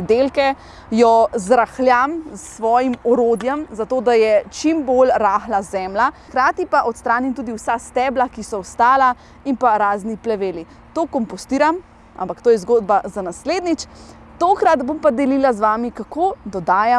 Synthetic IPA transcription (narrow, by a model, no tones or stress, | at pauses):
d̪elkɛ | jɔzɾaxljamsʋɔːjimɔɾoːd̪jɛmzat̪oːd̪ajɛt͡ʃimbolɾaːxlazɛːmlaxkɾaːt̪ipaʔɔt̪st̪ɾaːnimt̪uːd̪iwsast̪ɛːblakisɔɔst̪aːla | impaɾaːzniplɛʋeːli | t̪oːkɔmpɔst̪iːɾam | ʔa̰mpakt̪oːjɛzɡoːd̪bazanasleːd̪nit͡ʃ | t̪oːkɾad̪bompad̪ɛlilazʋaːmikakoːd̪ɔd̪aːja